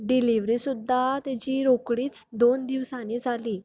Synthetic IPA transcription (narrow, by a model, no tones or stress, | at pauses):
ɖiliʋɾisud̪ʱːat̪at͡ɕiːɾokɽiːt͡sd̪ond̪iʋsanid͡zʱaliː